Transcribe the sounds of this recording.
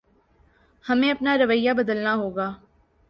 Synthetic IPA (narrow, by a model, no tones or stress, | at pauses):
hɐmẽɐpnaɾɐʋəjːabɐd̪əlnaɦoːɡaː